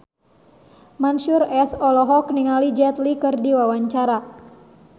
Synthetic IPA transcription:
manʃurɛsɔlɔɦɔkniŋalid͡ʒɛt̪likɨrdiwawaɲt͡ʃaɾa

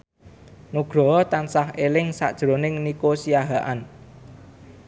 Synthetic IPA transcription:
nuɡ̥ɾɔ̤t̪ansahelɪŋsa̰ʔd̥ʒ̥ɾo̤nɪŋnikosijaɦaʔan

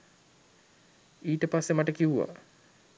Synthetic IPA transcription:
iːʈəpasːemaʈəkiʋuʋa̰

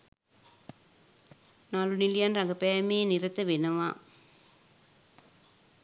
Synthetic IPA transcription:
naːlunilijaːnɾɐŋɡɐpejɐmeːnɪɾɐt̪ːɐʋenɐʋã̰ː

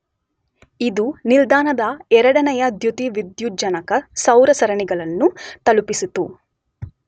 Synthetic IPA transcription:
id̪unild̪aːnɐd̪ɐɛɾɐɽɐnɐjɐd̪jut̪iʋid̪jud͡ʒɐnɐkɐsɐwɾɐsɐɾɐɳiɡɐɭɐnːut̪ɐlupisut̪u

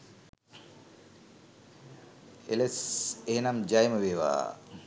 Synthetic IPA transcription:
ḛleseɦenamd͡ʑajməʋeːʋa̰ː

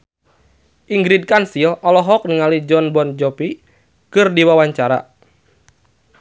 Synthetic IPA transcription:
ʔiŋɡɾid̚kansilʔɔlɔɦɔk̚niŋalid͡ʒɔnbɔnd͡ʒɔpi | kɨrdiwawaɲt͡ʃaɾa̰

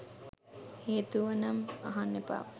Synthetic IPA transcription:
heːt̪uʋənɐma̰ɦanːepa̰ːʋ

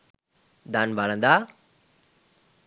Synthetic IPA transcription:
d̪anbalə̃nd̪a

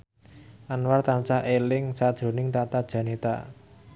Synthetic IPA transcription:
ʔanwart̪ant͡ʃahʔelɪŋsad̥ʒ̥ɾo̤nɪŋt̪at̪ad̥ʒ̥ä̤net̪a̰

